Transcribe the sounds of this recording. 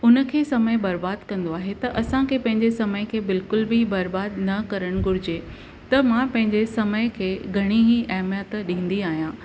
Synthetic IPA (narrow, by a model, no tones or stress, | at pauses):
ʊnə̆kʰeːsɐməjbɐɾbaːd̪kɐ̃nd̪oaːɦet̪ɐʔɐsãkʰeːpɐ̃ɦɪ̃ɲd͡ʑesɐməjkʰeːbɪlkʊlbɪbɐɾbaːd̪nɐkɐɾəɽ̃ɡʊɾɪd͡ʑe | t̪ɐmãpɐ̃ɦɪ̃ɲd͡ʑesɐməkʰeːɡʱɐɽ̃iɦiʔɐɦmjət̪ɗĩːn̆d̪iaːɦijã